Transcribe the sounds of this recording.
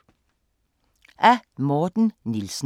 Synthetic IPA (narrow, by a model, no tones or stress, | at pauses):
ʔæːmɔːt̪n̩nɪlsn̩